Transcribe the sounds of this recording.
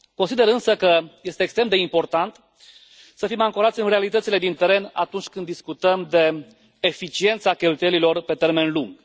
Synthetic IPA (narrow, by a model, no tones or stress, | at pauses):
konsid̪e̞ɾɨnsəkəje̞st̪eːkst̪ɾemd̪e̞impo̞rt̪ant̪ | səfimaŋkoɾat̪sʲɨnre̞alit̪ət̪sile̞d̪int̪e̞ɾe̞na̰t̪unt͡ʃʲkɨnd̪ːiskut̪əmd̪e̞ː | fit͡ʃie̞nt̪sakʲelt̪ujelilo̞rpe̞t̪e̞rme̞nluŋɡ̥